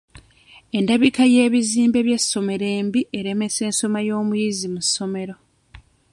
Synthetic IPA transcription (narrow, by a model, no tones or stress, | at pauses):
e̞ndaβikaje̞ːβiziːmbe̞βje̞sːo̞me̞ɾe̞ːmbiʔe̞ɾe̞me̞se̞ːnso̞majo̞ːmujizimusːo̞me̞ɾo̞